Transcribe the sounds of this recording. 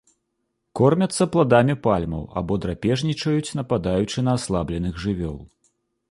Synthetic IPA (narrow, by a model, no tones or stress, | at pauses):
kɔrmʲɐt̪sːɐplˠad̪amʲipalʲmɐ̰wa̰bɔd̪ɾapʲɛʐnʲit͡ʂɐjut͡sʲn̪ɐpad̪ajut͡ʂɨnɐːslˠablʲɛnɨɣʐɨvʲɔ̰lˠ